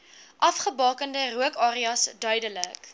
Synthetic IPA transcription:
ʔɐfχəbɑːkəndəruəkɑːɾiɐsdœɥdələk

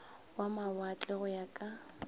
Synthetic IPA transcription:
wamawat͡ɬʼɛɣʊjakʼa

